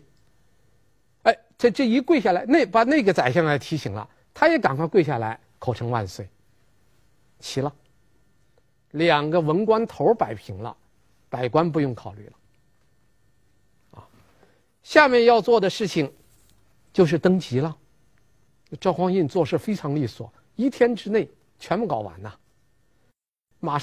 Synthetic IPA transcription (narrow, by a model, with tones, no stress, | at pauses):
e˥˧ɪt͡sa˥˧ʈ͡ʂɤ˥˩i˧˥kwe˥˧ɪɕ̬ja˥˩la˧˥ɪne˥˩ɪpa˨˩na˥˩ɡə˩t͡sa˨˩ɪɕ̬jɑ˥˩ŋla˧˥ɪt̪ʰi˧˥ɕi˨˩ŋlə̰˦ | t̪ʰa˥jɛ˧˥ka˨˩nkʰa˧˥˧kwe˥˧ɪɕja˥˩la˧˥ɪ | kʰo˨˩ʊʈ͡ʂʰɤ˧˥ŋwa̰˥˧nswe˥˩ɪ | t͡ɕʰi˧˥lə˧ | ljɑ˨˩ŋɡə˦wə˧˥nkwa˥nt̪ʰo˧˥ʊpa˨˩ɪpʰi˧˥ŋlə̰˧ | pa˨˩ɪkwa˥np̬u˧˥jʊ˥˩ŋkʰɑ˨˩ʊly̰˥˩lə˩ | ɐ̰˥˧ | ɕja˥˧mjɛ˥˧njɑ˥˧ʊt͡swɔ˥˩d̪ə˩ʂɻ̩˥˩t͡ɕʰi˨˩ŋ | t͡ɕjo˥˧ʊʂ̬ɻ̩˥˩t̪ɤ˥ŋt͡ɕi˧˥lə˧ | ʈ͡ʂʊxwɑ˥ŋi˥˧nt͡swɔ˥˧ʂ̩˥˩fe˥ɪʈ͡ʂʰɑ˧˥ŋli˥˩swɔ̰˨˩˦ | i˥t̪ʰjɛ˥nʈ͡ʂɻ̩˥ne˥˩ɪ | t͡ɕʰɥɛ˧˥npu˥˩kɑ˨˩ʊwa̰˧˥nə˧ | ma˨˩